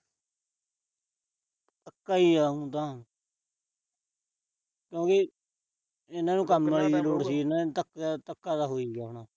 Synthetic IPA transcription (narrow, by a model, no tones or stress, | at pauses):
əkːaːiːaːɦũːt̪ãː | kjõːkɪ | ɪnãːnũːkəmːliːiːloːɽsiːɪnãːt̪əkːt̪əkːaːd̪aːɦoːiːɡaːɦɳãː